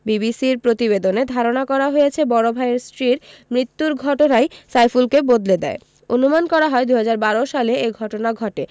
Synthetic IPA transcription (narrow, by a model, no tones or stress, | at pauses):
bibisiɾpɾot̪ibed̪oned̪ʱaɾonakɔɾaɦojet͡ɕʰebɔɾobʱaeɾsʈɾiɾmɾit̪ːuɾɡʱɔʈonajsajfulkebod̪led̪ɛ̰e | onumankɔɾaɦɔed̪uɦad͡ʑaɾbaɾoʃaleeɡʱɔʈonaɡʱɔʈe